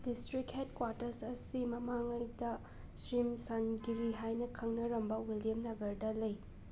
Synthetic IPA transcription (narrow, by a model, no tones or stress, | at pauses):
distɾikhetkwaɾtɐɾsɐsimɐmaŋɐjdɐ | sɾimsanɡiɾiɦajnɐkʰɐŋnɐɾɐmbɐwilijɐmnaɡɐɾdɐlɐj